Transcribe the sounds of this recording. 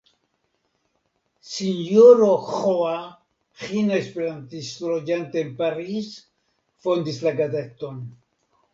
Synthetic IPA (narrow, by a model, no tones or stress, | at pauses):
sinjoɾoχoa | χinoespeɾant̪isɾod͡ʒant̪eːnpaɾiz | fo̞nd̪islaɡazet̪on